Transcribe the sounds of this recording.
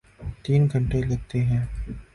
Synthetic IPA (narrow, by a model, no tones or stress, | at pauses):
t̪iːnɡʱɐ̃ɳʈelɐɡ̚t̪eɦɛ̃ː